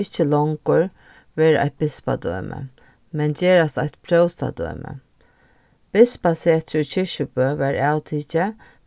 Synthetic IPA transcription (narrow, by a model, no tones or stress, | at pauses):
ɪht͡ʃːəlɔŋkʊɹ | ʋeːɾʔa̰jt̪̚bɪspa̰d̪œ̰ːmʔə̰ | mɛnceːɾast̪ajt̪pʰɾœwst̪a̰d̪œ̰ːmə̰ | b̥ɪspaseːt̪ʰɾut͡ɕʰɪʃəpøːʋæːɹawt̪ʰiːcə